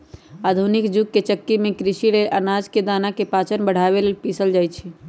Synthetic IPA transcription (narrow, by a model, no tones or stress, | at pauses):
ad̪ʱunikd͡ʒuɡ̚ket͡ʃəkːimẽkɾiʃileʔənad͡ʒked̪anakepat͡ʃənbəɽ̤aβelelpisəld͡ʒaːjt͡ʃʰi